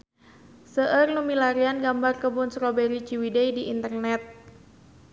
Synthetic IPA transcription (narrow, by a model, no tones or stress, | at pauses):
səʔərnumilaɾianɡambarkəbʊnsɾobɛɾit͡ʃiwidɛidiʔint̪ərnɛt̪̚